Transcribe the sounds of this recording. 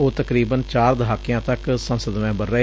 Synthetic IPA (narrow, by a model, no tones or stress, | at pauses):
oːt̪əkɾiːbənt͡ʃaːɾd̪əɦaːkɪjãːt̪əksənsəd̪mɛ̃ːbəɾːə